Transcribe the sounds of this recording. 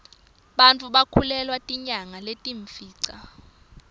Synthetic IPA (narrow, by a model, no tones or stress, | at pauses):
ɓant͡fʰʼuɓakʰulɛlwatʼiɲaŋaletʼiɱfiːǀa